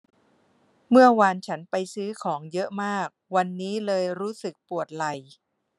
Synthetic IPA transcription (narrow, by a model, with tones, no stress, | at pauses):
mɯ˥˩ɐwa˧nt͡ɕʰa˦˥npa˧jsɯː˦˥kʰɔː˩˦ŋjɤ˦˥ʔmaː˥˩k̚wa˧nːiː˦˥lɤː˧jɾuː˦˥sɯ˨˩k̚pu˨˩ət̪̚la˨˩j